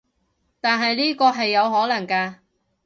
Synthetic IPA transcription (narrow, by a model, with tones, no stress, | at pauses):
t̪aː˨nɦɐ˨jliː˥kɔː˧ɦɐ˨jːɐ˨˧wɦɔː˨˥lɐ˨˩ŋkaː˧